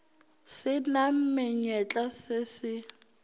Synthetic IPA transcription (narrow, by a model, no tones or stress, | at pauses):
sɪnam̩mɪɲɛt͡ɬʼasɪsɪ